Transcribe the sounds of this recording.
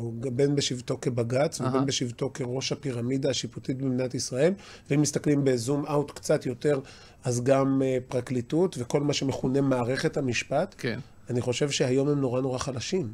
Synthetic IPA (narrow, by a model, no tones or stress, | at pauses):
uɡabenbeʃivt̪o̞kebaɡat͡svebenbeʃivt̪o̞keʁo̞ʃapiʁamidaːʃiputit̚bimnatisʁae̞l | veimistaklimbe̞zumaut̪kt͡satjo̞te̞ʁ | ʔazɡampʁaklitutve̞ko̞lmaʃeme̞χune̞maːʁe̞χe̞thamiʃpatk | aniχo̞ʃe̞vʃehajo̞mhemno̞ʁano̞ʁaχalaʃim